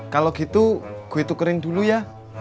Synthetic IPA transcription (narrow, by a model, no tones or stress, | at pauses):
kaloɡ̥it̪uɡ̥uit̪ukəɾɪŋd̪uluja